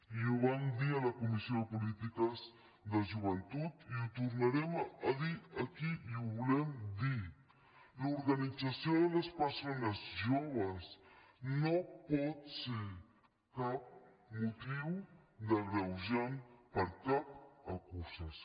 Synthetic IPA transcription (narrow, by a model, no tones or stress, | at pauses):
joβand̪ialakumisjoðəpulit̪ikaz | d̪aʒuβant̪ut̪iut̪uɾnaɾemaðiakiuβlemd̪i | luɾɣanit͡sasjoðəlaspəɾsonazʒoβasnopot̪si | kap̚ | mut̪iwd̪aɣɾawʒampaɾkap̚akusas